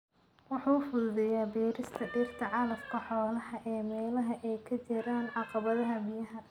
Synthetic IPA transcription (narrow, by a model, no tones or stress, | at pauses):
wɑħuːfʊððɛjaːbɛːɾɪst̪ʰɐɖiːrt̪ʰɐʕɑlɐfkʰɐħɔːlɐhɐʔɛːmɛːlɐɦɐʔɛjkʰɐt͡ʃɪɾaːnʕɑqɑβɐðɐɦɐbɪjɐɦɐ